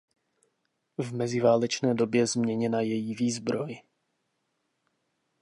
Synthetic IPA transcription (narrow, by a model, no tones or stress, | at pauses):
vmɛzɪvaːlɛt͡ʃnɛːdo̞bjɛzmɲɛɲɛnajɛjiviːzbɾo̞j